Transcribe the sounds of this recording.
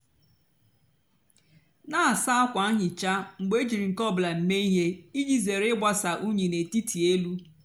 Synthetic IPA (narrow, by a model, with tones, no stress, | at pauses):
na˦a˨sa˦a˦kʷa˨˦ɲɪ˨t͡ʃa˦ŋ͡m̩˨ɡ͡be˦d͡ʒi˨ɾi˨ŋ̩˨kɔ˦˨bla˨m̩˨me˦i˦ɦe˦i˦d͡ʒi˦ze˨ɾɪ˦ɡ͡ba˦sa˨ʔu˦ɲe˨ne˨ti˦tʰi˨e˦lu˦